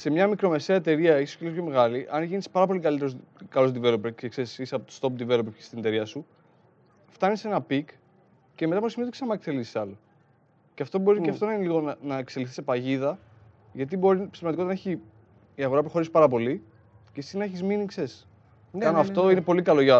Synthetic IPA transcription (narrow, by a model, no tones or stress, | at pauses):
se̞mɲɐmikɾo̞me̞se̞ɐet̪e̞ɾiɐeçso̥elisopço̞me̞ɣɐliʔɐnʝinispɐɾɐp̬o̞likɐlit̪eozkɐlozd̪ive̞lopeekseisisɐpot̪o̥st̪o̞p̚d̪ive̞lopeçe̥st̪inet̪e̞ɾiɐsu | ft̪ɐnise̞nɐpik | ce̞me̞t̪ɐmpsimit̪kesɐmɐkselissɐlo | ceɐft̪o̞bo̞ɾieɐft̪o̞nɐineliɣo̞nɐnɐekseliθi̥sepɐʝiðɐ | ʝɐt̪̬ibo̞ɾipst̪ɾmɐd̪ikot̪nɐeçiː | ɐɣo̞ɾɐpɾo̞xo̞ɾisi̥pɐɾɐpo̞li | cesinɐeçizminikses | ɐnoɐft̪o̞inepo̞likɐlo̞ʝɐ